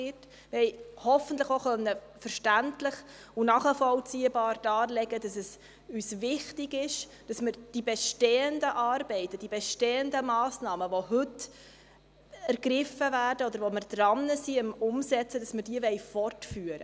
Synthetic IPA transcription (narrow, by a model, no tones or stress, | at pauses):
ɪt | ʋɛɪhɔfəntləχoχœnːəfəɾʃtæntləχ | ʊnɑːχəfɔlt͡siːəbɑːɾd̥ɑːlɛɡəd̥ɑsɛs | yːsvɪχtɪɡɪʃ | d̥ɑsməɾd̥ibɛʃteːəndəʔɑːɾbɛɪtəd̥ibɛʃteːəndəmɑːsnɑːməʋoɦɵt | æɾɡɾɪfəvæːrd̥əɔdəɾvoməɾd̥̪ɾɑnːəsiəmʊmsɛt͡səd̥ɑsməɾd̥iəvɛɪfɔrtfyːəɾə